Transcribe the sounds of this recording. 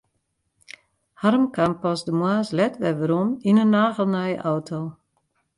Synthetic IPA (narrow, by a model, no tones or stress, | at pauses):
harəmkʰampɔsdəmwaːslɛtʋɛʋəɾɔninənːaːɣəlˠnajə̰ʔawtʰo